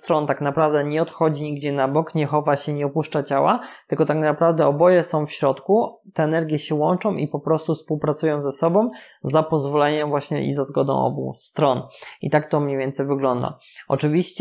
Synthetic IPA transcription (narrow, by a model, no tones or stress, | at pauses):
t̪ɾɔnt̪aknapɾavd̪ɛɲɛɔt̪xɔd͡ʑiɲiɡd͡ʑɛnabɔkɲɛxɔvaɕɛɲɛɔpuʂt͡ʂat͡ɕawat̪ɘlkɔt̪aknapɾavd̪ɛɔbɔjɛsɔ̃w̃fɕɾɔt̪kut̪ɛːnɛɾɡʲjɛɕɛwɔnt͡ʂɔ̃w̃ʔḭpɔpɾɔst̪ufspuwpɾat̪sujɔ̃w̃zɛsɔbɔ̃w̃ | zapɔzvɔlɛɲɛmvwaɕɲɛ̰ʔḭzazɡɔd̪ɔ̰̃w̃ɔ̰bṵst̪ɾɔnḭt̪ak̚t̪ɔmɲejvʲɛnt̪sɛjvɘɡlɔnd̪a̰ | ɔ̰t͡ʂɘvʲiɕt͡ɕ